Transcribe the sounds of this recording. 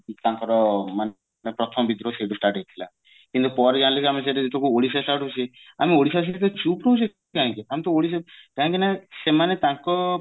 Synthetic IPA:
t̪ãŋkɔɾɔman | nepɾɔt̪ʰɔmɔbid̪ʱɾoseʈusʈaɾʈejt̪ʰila̰ | kint̪upɔɾed͡ʒanlikiamis̬eɾeit̪ɔkuoɽisasʈaɾʈɦut͡ʃʰi | a̰mioɽisas̬it̪̬ɔt͡ʃupɾoɦud͡ʒe | kaɦĩŋkiamit̪ɔoɽis̬kaɦĩŋkinasemanet̪ãŋkɔ

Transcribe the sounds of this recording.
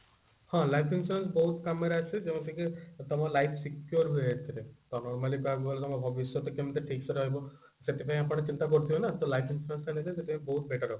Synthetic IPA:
hɔ̃lajpʰinfuɾens̬bɔɦut̪kameɾaːsʰed͡ʒemɔ̃sikit̪ɔmɔlajpʰsikjuɾɦueet̪ʰiɾet̪ɔnɔɾmalikabɔbɔlet̪ɔmɔbʱɔbisɔt̪ɔkemiʈ̪eʈʰiksɔɾɦɔɦjbɔ | set̪ipãĩapɔɽ̃et͡ʃint̪akɔɾut̪ʰibɔnat̪ɔlajpʰinfʰuɾensanet̪eset̪epaj̃bɔɦut̪beʈaɾɔb

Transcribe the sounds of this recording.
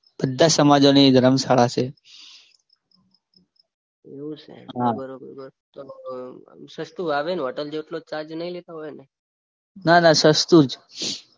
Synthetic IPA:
b̥əd̪ʱːasəmad͡ʒonid̪ʱəɾəmsaɭat͡ʃʰe | eũt͡ʃʰḛɦabəɾobəɾbəɾ | t̪o | ʃəst̪uaʋenɔʈəld͡ʒeʈlot͡ʃad͡ʒnəɦĩlet̪aɦojne | nanasəst̪ud͡ʒ

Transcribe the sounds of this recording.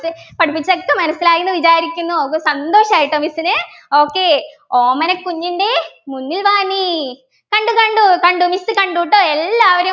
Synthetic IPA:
ɨpɐɽupːit͡ɕːokːemɐnɐsːilaːjunːɨʋit͡ɕaːɾikʲːunːuoːkːesɐnd̪o̞ːʂɐmaːjiʈːoːmisːinɨo̞ːkːe̞ː | oːmɐnɐkːuɲːiɳɖemunːilʋaːni | kɐɳɖukɐɳɖukɐɳɖumisɨkɐɳɖuʈːoːelːaːʋɐɾe

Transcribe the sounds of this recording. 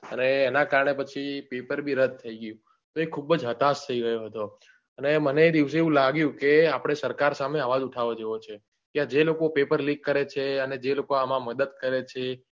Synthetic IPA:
əneːnakaɾɳepət͡ʃʰipepəɾbʱiɾəd̪̚t̪ʰəiɡəjũ | t̪oekʰubəd͡ʒɦət̪ast̪ʰəiɾəɦjoɦət̪o | əneməneːd̪iʋseeũlaɡjũkeapɽ̃esəɾkaɾsameaʋad͡ʒuʈʰaʋod͡ʒeʋot͡ʃʰe | kead͡ʒelokopepəɾlĩkːəɾet͡ʃʰeəned͡ʒelokoamãməd̪əd̪̚kəɾet͡ʃʰe

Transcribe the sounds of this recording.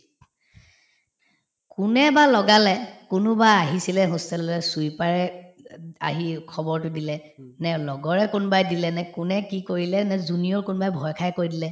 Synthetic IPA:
kʊnɛbalɔɡalɛkʊnʊbaaɦisilɛɦʊstɛlɛsujpaɹɛ | a̰ɦikʰɔbɔɹtʊdilɛ | nɛlɔɡɔɹɛkʊnbajdilɛnɛkʊnɛkikoɹilɛnɛzuniɔɹkʊnbajbʱɔjkʰajkoɹidilɛ

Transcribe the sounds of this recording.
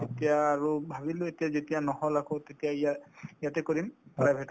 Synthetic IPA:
etijaːɹubʱabiloetijazetijanɔhɔlakʰɔtetijaijaijatɛkɔɹimpɹajbʱɛt

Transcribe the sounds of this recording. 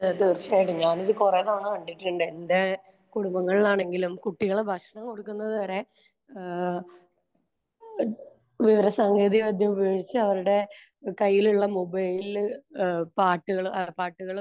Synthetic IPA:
ɐɐd̪urɕaːjiʈːɨɲaːniðɨkureːðaːɳɨkɐɳɖiʈːuɳɖɨend̪e | kuɽumbɐŋːɐɭilaːɳe̞ŋɡilumkuʈːiɣɐɭebʱɐkʂɐɳɐmkoɽukːunːɐðɨʋɐɾe̞ | ʋiʋɐɾɐsaːŋɡeːðiɐʋɐd̪ʱjɐmubɐjoːɽit͡ɕːɨɐʋɐɾuɽe̞ | kɐjːiluɭːɐmubɐjlil | paːʈːuɣɐɭɐpaːʈːuɣɐɭ

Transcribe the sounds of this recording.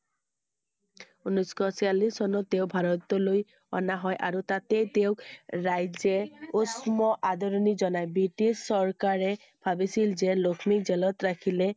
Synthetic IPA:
unɔskɔsialissɔnɔt̪ːeʊbʱaɹɔt̪ɔloj | ɔ̰naɦɔjʔa̰ɹut̪atet̪eʊkɹajzɛusmɔʔad̪ɔɹɔnizɔnajbɹitisːɔɹkaɹɛ | b̥ʱabisilzɛlokʰmikzɛlɔt̪ɹakʰilɛ

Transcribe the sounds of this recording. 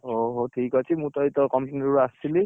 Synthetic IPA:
oɦoʈʰikɔt͡ʃʰimũt̪ɔjt̪ɔkɔmpʰjunɔɹuasili

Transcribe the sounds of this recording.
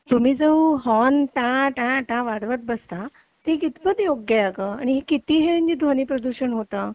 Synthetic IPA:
t̪um̤iːd͡zəwɦɔnʈãʈãʈãʋaɽʋət̪̚bəst̪a | t̪ekit̪bəd̪joɡjəəɡəaɽ̃iɦekit̪iːɦeməɲd͡ʑiːd̪ʱʋɔñiːpɾəd̪uɕəɳɦot̪ə

